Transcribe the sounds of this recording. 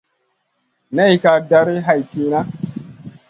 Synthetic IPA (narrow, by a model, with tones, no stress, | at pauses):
na˦i˨ka˨da˦ɾi˦ɦa˨jti˦na˦